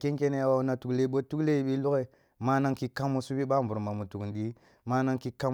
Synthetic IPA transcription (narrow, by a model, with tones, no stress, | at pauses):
ke˦ŋke˦ne˦a˨wa˨˦na˨tu˨kle˦˨˦ɓo˦tu˦kle˦i˦ɓi˦lu˦ke˨ | ma˦na˦ŋki˨ka˦mo˦su˦bi˦ɓa˦mbu˨ɾma˨mu˨tu˨knɗi˦ | ma˦na˦ŋki˦ka˦